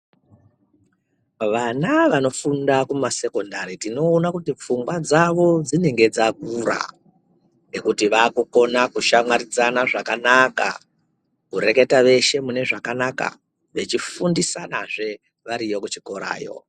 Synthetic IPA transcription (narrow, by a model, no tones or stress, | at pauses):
ʋanaʋano̞fundakumase̞ko̞ndaɾitino̞ːnakutip͡fuŋɡwad͡zaʋo̞d͡zine̞ŋɡe̞d͡zakuɾa̰ | ekutiʋaːkuko̞nakuʃamwaɾid͡zanaʐakanaka̰ | kuɾe̞ke̞taʋe̞ʃe̞mune̞ʐakanaka̰ | ʋe̞t͡ʃifundisanaʐe̞ | ʋaɾijo̞kut͡ʃiko̞ɾa̰ːjo̞̰